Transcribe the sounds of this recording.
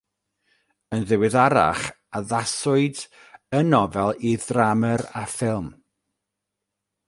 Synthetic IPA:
ənðɪwɪðaɾa̰χ | aðasʊɨd | ənɔvɛlˠiðraməɾafɪlˠm

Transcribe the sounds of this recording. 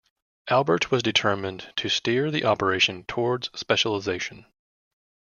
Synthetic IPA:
ʔælˠbə˞t̚wʌzdɨtʰɜ˞mɨ̃ntʰɨstɪɹðiʔɑpə˞eɪʃɨ̃ntʰɔɹdz̥spɛʃl̩ˠəzeɪʃɨ̃n̩

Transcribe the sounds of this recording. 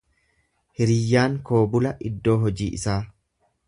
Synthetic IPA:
hɪɾɪjːaːŋko̞ːbʊlɐʔɪd̪ːo̞ːɦɔd͡ʒiːʔɪsaː

